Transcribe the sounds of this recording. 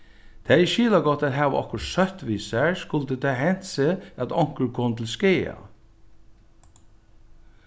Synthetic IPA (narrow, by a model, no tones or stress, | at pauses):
d̪̥ʰæʃiːlɑɡɔt̪æɾɦɑːʋʔɔ̰kʊsœt̪ʋiːsæɹskʊlt̪ət̪ʰæːɦɛn̥seɑt̪ɔŋ̥kəɾkʰɔnt̪ʰl̩skeːɑ̰